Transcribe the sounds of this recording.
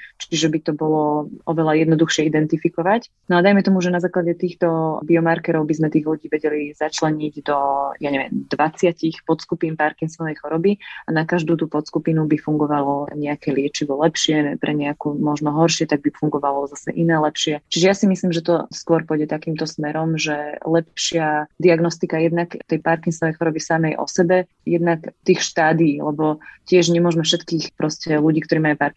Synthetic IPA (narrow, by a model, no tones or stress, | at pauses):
t͡ʃiʒɛbit̪ɔbɔlɔɔʋɛlajɛd̪nɔd̪uxʃɪɛid̪ɛnt̪ifikɔʋac | nɔad̪ajmɛt̪ɔmuʒɛnazaːklaɟɛt̪iːxt̪ɔbiɔmaɾkɛɾɔʊbizmɛt̪iːɣluɟiːʋɛɟɛlizat͡ʃlɛɲiɟd̪ɔjaɲɛʋɪɛ̰md̪ʋat͡sɪacixpɔt̪skupinpaɾkiŋsɔʋɛjxɔɾɔbianakaʒd̪uːt̪uːpɔt̪skupinubifuŋɡɔʋalɔɲɛakɛlɪɛt͡ʃiʋɔlɛpʃɪɛpɾʔɛɲɛakuːmɔʒnɔɦɔɾʃɪɛt̪aɡ̚bifuŋɡɔʋalɔzasɛ̰ʔinaːlɛpʃɪɛt͡ʃiʒɛjasimisliːmʒɛt̪ɔskʊɔɾpɔjɟɛt̪akiːmt̪ɔsmɛɾɔmʒɛlɛpʃɪad̪iaɡnɔst̪ikajɛd̪nakt̪ɛjpaɾkiŋsɔʋɛjxɔɾɔbisamɛjʔɔ̰sɛbɛ | jɛd̪nakt̪iːxʃt̪aːd̪iːlɛbɔcɪɛʒɲɛmʊɔʒmɛfʃɛt̪kiːxpɾɔscɛluɟiːkt̪ɔɾiːmajupaɾk